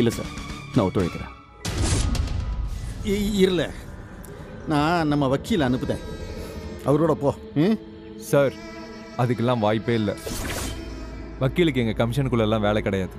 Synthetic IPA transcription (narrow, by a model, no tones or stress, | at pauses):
ɪlːɐsa̰ːɾnãːɔt̪ːʊɻɐ̰jk̪ːɪɾḛ̃ː | eɪɾɯlɛ̰ | nãːnɐmːɐʋɐkːiːlɐnɯpːɯðḛ̃ː | ɐʋɐɾoːɽɐpõː | sɐɾ | ɐðɯkːɛlːãːʋaːjɪpːeːɪlːɐ | ʋɐkːilɯk̬ːɯɛŋɡɐkɐmɪʂɐnkːɯɭːɐɛlːãːʋeːɭɛkːɪɽɐjaːðɯ